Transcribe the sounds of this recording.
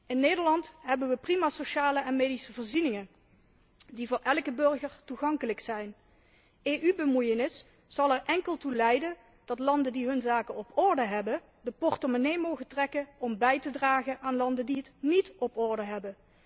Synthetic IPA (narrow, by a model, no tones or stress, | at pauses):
ɪnːeːdəɹlɑntɦɛbənʋəprimaːsoʃaːləɛnmejdisəvəːɹzinɪŋən | divʊːɹʔɛlˠkəbɵɹɣəɹtuχɑŋkələksɛjn | eːʔybəmujənɪs | sɑlˠɛrʔɛŋkəlˠtulɛjdən | d̥ɑtlɑndəndiɦɵnzaːkənɔpɔɹdəɦɛbə | dəpɔɹtomonejmowɣəntrɛkəɔmbɛjtədraːχənʔaːnlɑndəndiɦətnitɔpɔɹdəɦɛbə